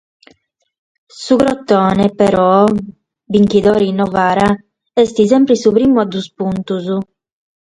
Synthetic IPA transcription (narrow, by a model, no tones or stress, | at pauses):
suɡɾɔt̪ːɔːnepɛɾɔ | biŋkiðɔːɾinːɔvaːɾa | ɛst̪isɛmpɾisupɾiːmuad̪uspunt̪uzu